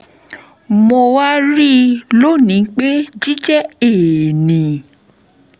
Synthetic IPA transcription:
mo˧wa˦ɾi˦lo˦˨nĩ˨˦k͡pe˦d͡ʒi˦d͡ʒɛ˦e˨nĩ˨

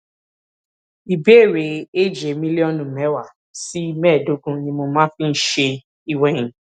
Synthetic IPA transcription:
i˨be˨˦e˦˨ɾe˨˦e˦d͡ʒe˨˦mĩ˦li˦ɔ˦nũ˨mɛ̃˨˦wa˨ | si˦mɛ̃ː˦˨do˨˦ɡũ˧nĩ˧mo˧mã˦fĩ˦n̩˦ʃe˧ | i˨wɛ˨j̃ĩ˨

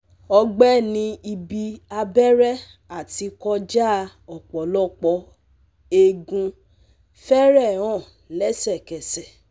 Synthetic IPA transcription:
ɔ˧ɡ͡bɛ˦nĩ˧i˧bi˧a˧bɛ˦ɾɛ˦ | a˦˨ti˨˧kɔ˧d͡ʒa˦˧˨ | ɔ˨k͡pɔ˨˦lɔ˦˨k͡pɔ˧ | e˧ɡũ˧ | fɛ˦ɾɛ̃˦˨ɔ̃˦˨ | lɛ˦sɛ˦˨kɛ˨sɛ˨

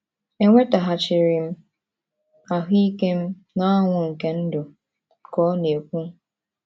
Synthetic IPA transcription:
e˦ŋʷe˦ta˨ɦa˨t͡ʃɪ˨ɾɪ˨m̩˦ | a˨ɦi˦ke˦m̩˦ | na˦a˦ŋʷʊ˨ŋ̩˨ke˦n̩˦dʊ˨ | kɔ˦ne˨kʷu˦

